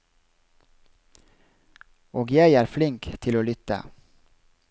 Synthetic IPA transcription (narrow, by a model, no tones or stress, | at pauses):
oːɡjæɪæːɾflɪŋkt̪ʰɪloːlʏt̪ə̰